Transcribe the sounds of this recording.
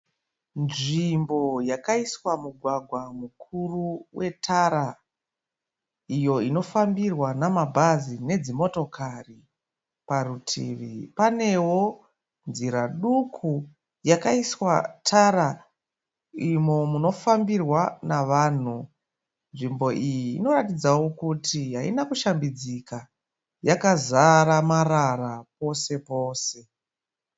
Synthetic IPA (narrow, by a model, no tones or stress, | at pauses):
nʐimbo̞jakaiswamuɡʱwaɡʱwamukʰuruwe̞tʰaɾa | ijo̞ino̞fambirwanamabʱazine̞d͡zimo̞to̞kari | parutʰḭːʋḭpane̞wo̞ | nziɾaɗukʰu | jakaiswatʰara | imo̞muno̞fambirwanaʋaːn̤u | nʐimbo̞ʔijiːno̞ɾatid͡zawo̞kutiɦaḭnakuʃambid͡zika | jakazaɾamararap̚o̞se̞po̞ːse̞